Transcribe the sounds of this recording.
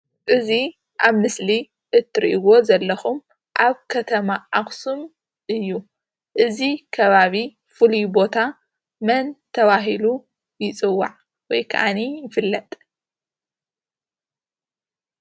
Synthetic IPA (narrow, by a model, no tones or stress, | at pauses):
ʔɨzi | ʔaβmɨsli | ʔɨt̪ʰːɨɾʔiwo̞zɐlːɐxum | ʔaβkʰɐt̪ʰɐmaʔaxsum | ʔɨjːu | ʔɨzikʰɐβaβi | fɨlibo̞t̪ʰa | mɐnt̪ʰɐβaɦilu | jɪt͡sʼɨwːa̰ʕ | wɔjkʰɐ̰ʔanijɪfɨlːɐt̪ʼ